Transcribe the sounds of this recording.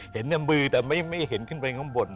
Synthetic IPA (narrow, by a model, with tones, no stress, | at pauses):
he˨˩˦nja˧mmɯː˧t̪ɛː˨˩ma˧˥˩jma˥˩jhe˨˦nkʰɯ˥˩npa˧jkʰɔː˨˥˦ŋbo˨˩t̪̚